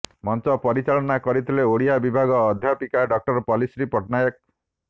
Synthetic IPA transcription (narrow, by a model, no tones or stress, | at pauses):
mɔnt͡ʃɔpɔɾit͡ʃaɭɔnakɔɾit̪ʰileoɽijabibʱaɡɔːd̪ʱjapikaɖɔk̚ʈɔɾɔpɔlisɾipɔʈnajɔk̚